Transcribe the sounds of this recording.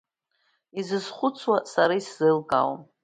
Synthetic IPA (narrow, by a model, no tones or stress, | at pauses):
izɨzχʷʊt͡sʰwasaɾaiszɨlkʼa̰w